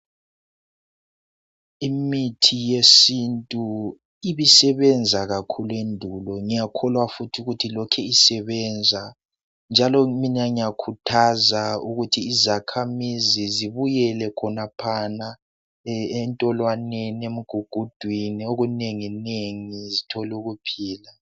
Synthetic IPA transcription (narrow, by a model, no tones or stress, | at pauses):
imitʰijesintʼu | iβisɛβɛnd͡zʱaɣakʰuluendʱulɔŋijakʰɔlwafutʰiuɣutʰilɔkʰɛisɛβɛnd͡zʱa | nd͡ʒʱalɔminaŋiakʰutʰazauɣutʰiːzakʰamiziziβujɛlɛkʰɔnapʰana | ɛntʼɔlwaneniemuɡ̥ʱuɡ̥ʱud̥ʱwinioɣuneŋineŋizitʰɔluɣupʰiːla